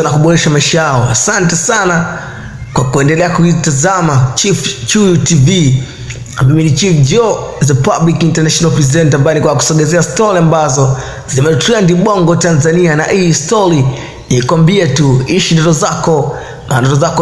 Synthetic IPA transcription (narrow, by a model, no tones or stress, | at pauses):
anakuɓɔɾɛʃamaiʃajaɔasantɛsana | kwakuɛndɛlɛakuitazamat͡ʃift͡ʃujutivi | namiminit͡ʃifd͡ʒɔ | zɛpablikintanaʃɔnalpɾizɛntambajɛnikwaku̥sɔɡɛzɛastɔɾiambazɔ | zimɛtiandiɓɔŋɡɔtanzanianaʔiːstɔɾi | niikwambiatuiʃindɔtɔzakɔ | mandɔtɔzakɔ